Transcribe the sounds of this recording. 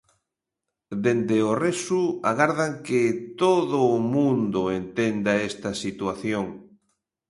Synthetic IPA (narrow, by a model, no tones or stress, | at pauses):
d̪end̪eoresuaɣaɾðaŋkɪt̪oðʊːmũnd̪ʊent̪end̪aest̪ɐsit̪waθjoŋ